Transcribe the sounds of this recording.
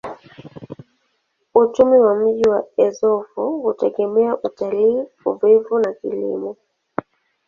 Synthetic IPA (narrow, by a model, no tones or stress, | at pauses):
ut͡ʃumiwam̩ʄiwaɛzɔvɔhutɛɡɛmɛaʔutaliː | ṵvivunakilḭmɔ